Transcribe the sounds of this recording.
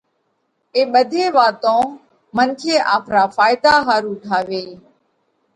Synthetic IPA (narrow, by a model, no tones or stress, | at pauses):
eːɓəd̪ʱeːʋaːt̪õː | mənkʰeːʔaːpʰɾaːfaːɪd̪aːɦaːɾuːʈʰaːʋeː